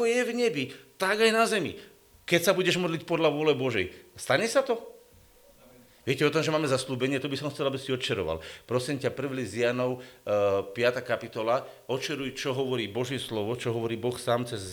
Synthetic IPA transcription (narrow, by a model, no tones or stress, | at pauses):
ɔjɛvɲɛbit̪aɡajnazɛmḭ | kɛcsabuɟɛʒmɔd̪licpɔd̪ʎaʋʊɔlɛbɔʒɛjst̪aɲɛsat̪ɔ | ʋɪɛcɛɔt̪ɔmʒɛmaːmɛzasluːbɛɲɪɛt̪ɔbisɔmxt͡sɛlabisiɔt̪t͡ʃɛɾɔ̰ʋa̰lpɾɔsimcapr̩ʋlizɪanɔʊ | pɪat̪aːkapit̪ɔla | ɔtt͡ʃɛɾujt͡ʃɔɦɔʋɔɾiːbɔʒjɛslɔʋɔt͡ʃɔɦɔʋɔɾiːbɔxsaːmt͡sɛz